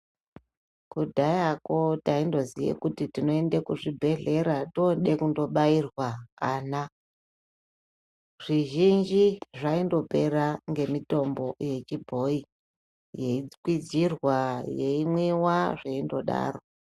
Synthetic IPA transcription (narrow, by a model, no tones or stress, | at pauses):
kudʱajako̞taindo̞zijḛkutitino̞endekuʐibʱe̞ɮe̞ɾatoɗe̞kundo̞ɓairwakana | ʐiʒind͡ʒiʐaindo̞pe̞ɾaŋɡe̞mito̞mbo̞je̞t͡ʃibʱo̞i | je̞ikwid͡zirwaje̞imwewaʐeindo̞ɗa̰ːro̞